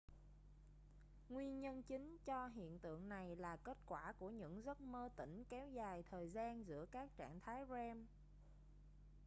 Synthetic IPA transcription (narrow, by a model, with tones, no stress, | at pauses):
ŋwi˧ənɲə˧nt͡ɕï˨˦ŋ̟t͡ɕɔ˧ɦḭ˧˨ənt̪ɨ̰˧˨əŋna˨˩jlaː˨˩ke˦˥t̚kwaː˧˩ku˧˩əɲɨ̰˧˥ŋzə˦˥t̚məː˧t̪ḭ̈˧˩ŋ̟kɛ˨˦wzaː˨˩jt̪ʰəː˨˩jzaː˧nzɨ̰˧˥əkaː˦˥k̚t͡ɕa̰ː˧˨ŋt̪ʰaː˨˦jzɛ˧m